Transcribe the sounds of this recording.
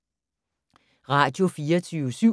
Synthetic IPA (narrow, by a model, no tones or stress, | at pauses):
ʁɑ̈d̥jo̝fiːɐt͡sʰyːʊəsy